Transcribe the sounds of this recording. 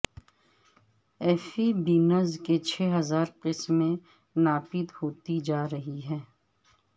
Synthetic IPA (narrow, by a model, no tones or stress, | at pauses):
ɛːfibiːnəzket͡ʃʰɛːɦɐzaːɾqɪsmẽ | naːpɪt̪hoːt̪id͡ʒaːɾɐɦiɦɛː